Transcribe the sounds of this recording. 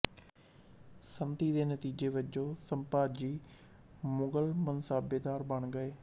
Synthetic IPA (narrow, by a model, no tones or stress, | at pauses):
sənt̪iːd̪eːnət̪iːd͡ʒeːʋəd͡ʒõːsəmpaːd͡ʒiː | mʊɡəlmənsaːbeːd̪aːɾbəɳɡəeː